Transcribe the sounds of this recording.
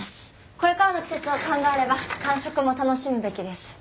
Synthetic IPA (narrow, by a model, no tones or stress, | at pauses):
s | koɾek͈aanokʰi̥s͈et͡sokʰaŋɡaaɾe̞bakaŋɕok͈ɯmot̪anoɕʰimɯbe̞kid̪e̞s